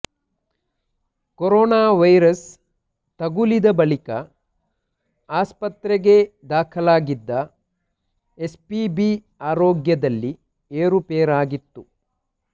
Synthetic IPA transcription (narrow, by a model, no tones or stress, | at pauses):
koɾɔːnaːʋɐjɾɐs | t̪ɐɡulid̪ɐbɐɭikɐ | aːspɐt̪ɾeɡe̞d̪aːkʰɐlaːɡid̪ːɐ | e̞spibiː | aːɾoːɡjɐd̪ɐlːi | eːɾupeːɾaːɡit̪ːu